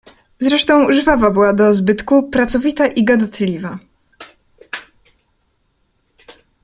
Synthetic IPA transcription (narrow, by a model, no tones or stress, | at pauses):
zɾɛʂt̪ɔ̃w̃ʐvavabɘwad̪ɔzbɘt̪kupɾat̪sɔvʲit̪aʔiɡad̪ɔt̪lʲiva